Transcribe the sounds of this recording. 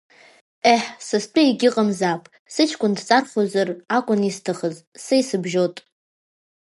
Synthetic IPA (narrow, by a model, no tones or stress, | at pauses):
eħsɨst͡pʼaiɡʲɪqʼəmzapʼ | sɨt͡ʃʰkʷʼʊndt͡sʼarχozarakʷʼʊnistʰaχəz | sajsɨbʒotʼ